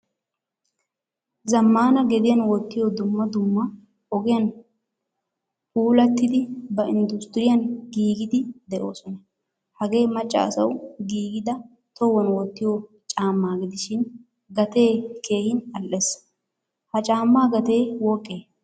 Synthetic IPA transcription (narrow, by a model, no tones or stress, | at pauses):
zɐmːaːnɐɡɛd̪ɪjɐnwɔt̪ːɪjɔd̪ʊmːɐd̪ʊmːɐ | ʔɔɡɪjɐn | huːlɐt̪ːɪd̪ɪbɐɪnd̪ʊst̪ɪɾɪjɐnɡiːɡɪd̪ɪd̪ɛʔo̞ːsɔnɐ | hɐɡe̞ːmɐt͡ʃʼːa̰ːsɐ̰wɡiːɡɪd̪ɐ | t̪ɔwɔnwɔt̪ːɪjɔ | t͡ʃʼaːmːaːɡɪd̪ɪʃɪn | ɡɐt̪e̞ːkʰe̞ːhɪnɐlʔes | hɐt͡ʃʼaːmːaːɡɐt̪e̞ːwɔkʼːeː